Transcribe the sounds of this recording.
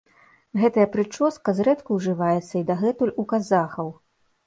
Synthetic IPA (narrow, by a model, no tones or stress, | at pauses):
ɣɛt̪ɐjɐpɾɨt͡ʂɔskɐzɾɛt̪kuwʐɨvajɛt̪sːɐid̪aɣɛt̪ulʲukazaxɐw